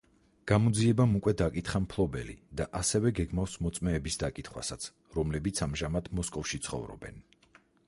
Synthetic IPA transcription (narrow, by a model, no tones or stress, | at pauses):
ɡ̥amɔd̪ziɛbamukʼwɛd̪akʼit̪χampʰlˠɔbɛ̰lḭd̪aʔasɛvɛɡɛɡmafsmɔt̪sʼmɛːbisd̪akʼit̪ʰχwa̰sat̪sʰ | ɾɔmlɛbit̪sʰamʒamad̪mɔskʼɔfʃit̪sʰχɔ̰vɾɔ̰bɛ̰n